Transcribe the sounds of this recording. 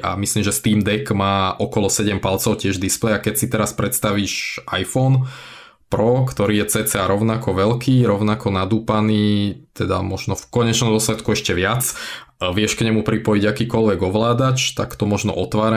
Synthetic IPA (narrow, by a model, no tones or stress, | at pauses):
ʔa̰misliːmʒɛst̪iːmd̪ɛkmaːʔɔkɔlɔsɛɟɛmpalt͡sɔʊcɪɛʒd̪isplɛjakɛcsit̪ɛɾaspɾɛt̪st̪aʋiːʃʔajfɔn | pɾɔkt̪ɔɾiːjɛt͡sɛːt͡sɛaɾɔʊnakɔʋɛlkiːɾɔʊnakɔnad̪uːpaniːt̪ɛd̪a̰mɔʒnɔfkɔɲɛt͡ʃnɔmd̪ɔslɛt̪kuɛʃcɛʋɪat͡s | ʋɪɛʃkɲɛmupɾipɔjiɟakiːkɔlʋɛɡɔʋlaːd̪at͡ʃt̪akt̪ɔmɔʒnɔ̰ʔɔt̪ʋaːɾa